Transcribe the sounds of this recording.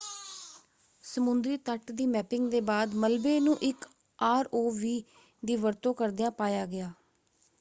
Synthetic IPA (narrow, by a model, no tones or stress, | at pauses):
səmʊnd̪ɾiːt̪əʈd̪iːmɛːpɪŋɡd̪eːbaːd̪məlbeːnũːʔɪk | aːɾoːʋiː | d̪iːʋəɾt̪õːkəɾd̪ɪjãːpaːjaːɡɪaː